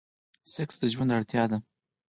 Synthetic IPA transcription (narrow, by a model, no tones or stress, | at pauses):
sɪksd̪əʒwand̪aɽt̪jɑd̪a